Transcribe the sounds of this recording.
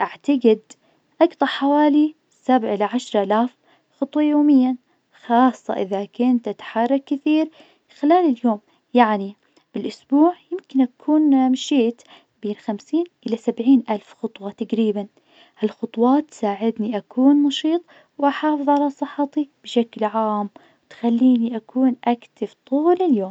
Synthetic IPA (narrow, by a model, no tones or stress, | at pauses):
ʔaʕt̪aɡɪd̪ | ʔɑkt̪ˤɑħawaːli | sabʕʔɪlaʕaʃɾˤalaːf | xɑt̪ˤwɑjoːmɪjːa | xɑːsˤːɑ̰ʔɪðakʊnt̪ʔat̪ḁħɑrˤːɑkːɪθiːɾ | xɪlaːlɪljoːm | jaʕni | b̥ɪlʔʊsbuːʕjɪmkɪnʔakʰuːnmʃiːt̪ | beːnxamsiːnʔɪlasabʕiːnʔalfxʊt̪ˤwɑt̪aqɾiːban | halxʊt̪ˤwɑːt̪ːsaːʕɪd̪niʔakʰuːnnɑʃiːt̪ˤ | wʔaħɑːfɨðˤʕalasˤɨħɑt̪ib̥ɪʃaklʕaːm | wt̪xalːiːniʔakʰuːnʔakt̪ɪft̪ˤuːlɪljoːm